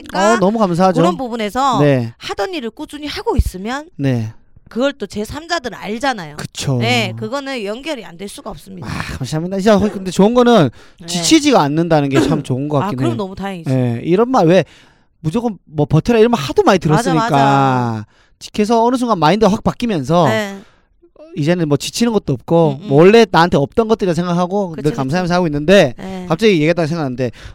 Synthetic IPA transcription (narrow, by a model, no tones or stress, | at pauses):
k͈anʌmukams̬ʰaɦad͡ʑoʌnbubune̞sʰʌne̞hadʌniɾɯɭk͈ud͡ʑuɲihaɡois͈ɯmjʌnne̞ | kɯɡʌɭt͈ot͡ɕe̞sʰamd͡ʑadɯɾa̰ɭd͡ʑanajokɯ̥t͡ɕʰonekɯɡʌnɯnjʌŋɡjʌɾia̰ndwe̞ɭs͈uɡaʌp̚s͈ɯmɲia̰kamsʰaamɲidaid͡ʑakʰɯnde̞t͡ɕoɯnɡʌnɯn | t͡ɕit͡ɕʰid͡ʑiɡaːnːɯndanɯnɡe̞t͡ɕʰamt͡ɕoɯnɡʌk͈akindɯeɾnʌmutajʌŋije̞iɾʌnmaɾwe̞ | mud͡ʑokʰɯmmʌpʌtʰeɾaiɾʌnmahadomaɲitɯɾʌs͈ɯɲik͈a | t͡ɕi̥kʰe̞s̬ʰʌːnɯs̬ʰuŋɡanmaindɯɸwak̚p͈ak͈imjʌns̬ʰʌ | id͡ʑe̞nɯnmwʌt͡ɕit͡ɕʰinɯnŋɡʌt̚t͈oʌp̚k͈omʌɭːe̞naantʰe̞ʌp̚t͈ʌnɡʌt͈ɯɾidasʰeŋɡakʰaɡonɯɭkamsʰaamsʰaɡoinːɯnde̞kap̚t͡ɕ͈aɡije̞ɡedaɡsʰeŋɡakʰanɯnde̞